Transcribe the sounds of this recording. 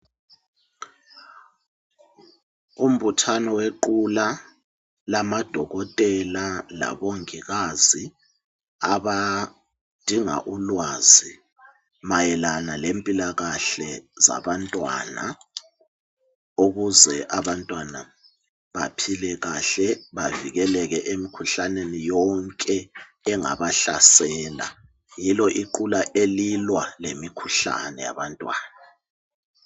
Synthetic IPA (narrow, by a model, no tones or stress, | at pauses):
um̩βutʰanɔweǃula | lamad̥ʱɔɣɔtʼɛlala̰βoŋiɣazi | aβa | d̥ʱiŋa̰ʔulwaːzi | majɛlanalempʼilaɣaɬɛza̰βantʼwa̰na̰ | uɣuzɛʔaβantʼwana | βapʰilɛɣaɬɛβaviɣɛlɛɣɛʔemikʰuɬanenijɔŋkʼɛː | ŋa̰βaɬa̰sɛːla̰ | jilɔʔiǃulaʔelilwalemikʰu̥ɬa̰nɛja̰βantʼwaːna